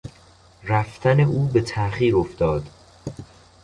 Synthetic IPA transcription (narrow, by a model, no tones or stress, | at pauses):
ræft̪ʰæne̞ʔuːbe̞t̪ʰæʔχiːɾoft̪ɒːd̪̥